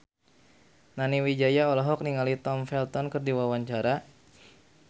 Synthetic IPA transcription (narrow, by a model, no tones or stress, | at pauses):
naniwid͡ʒajaɔlɔɦɔk̚niŋalit̪ɔmfɛlt̪ɔnkərdiwawaɲt͡ʃaɾa